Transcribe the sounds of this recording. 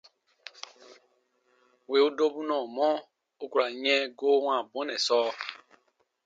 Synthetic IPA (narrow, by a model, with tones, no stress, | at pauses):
we˨u˦do˦bu˦nɔ˨mɔ˦ | o˦ku˨ɾa˨ɲe˦ɡo˦wã˨bu˨˦nɛ˨sɔː˦